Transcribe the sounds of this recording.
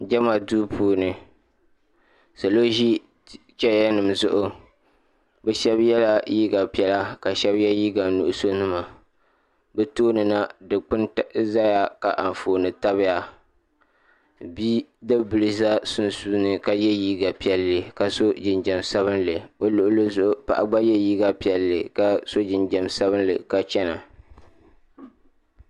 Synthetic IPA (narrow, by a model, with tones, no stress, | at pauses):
d͡ʒɛ˦ma˨duː˦pʰuː˦nɨ˨ | so˨lo˦ʒi˦ | t͡ʃɛ˦ja˦nɨ˨mzʊ˦ʔʊ˨ | bɛ˦ʃɛ˦bjɛ˦la˦jiː˦ɡa˨pi˦ɛ˦la˦ka˨ʃɛ˦bjɛ˦jiː˦ɡa˨nṵ˨ʔʊ˦so˦nɨ˦ma˨ | bɛ˦toː˦nɨ˨na˦dɨ˨k͡pɨ˦n˦za˦ja˨ka˨ʔa˨ɱ˨foː˨nɨ˨ta˦bɪ˦ja˨ | biː˦dɨ˦bɨ˨lɨ˨za˦sʊ˦nsu˦nɨ˨ka˨jɛ˦jiː˦ɡa˨pi˦ɛ˨lːɨ˨ka˨so˦d͡ʒɪ˨nd͡ʒɛ˨msa˦βɨ˦nlɨ˨o˦lʊ˨ʔlɨ˦zʊ˦ʔʊ˦pa̰˨ʔa˨ɡ͡ba˦jɛ˦jiː˦ɡa˨pi˨ɛ˨lːɨ˨ka˦so˦d͡ʒɪ˨nd͡ʒɛ˨msa˦βɨ˦nlɨ˨ka˨t͡ʃɛ˦na̰˨